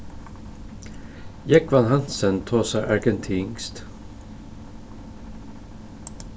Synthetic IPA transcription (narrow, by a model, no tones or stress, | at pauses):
jɛkʋɑnhɑnsənt̪ʰoːsæʔɑɹɡənt̪ʰiːŋst̪